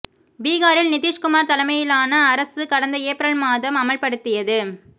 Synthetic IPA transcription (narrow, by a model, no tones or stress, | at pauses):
biːɣaːɾɪlnɪðiːʂkʊmaːɾt̪ɐlɐmɐjɪlaːnɐːɾɐsɯkɐɽɐnd̪ɐeːpɾɐɭmaːðɐmɐmɐɭpɐɽɯt̪ːɪjɐðɯ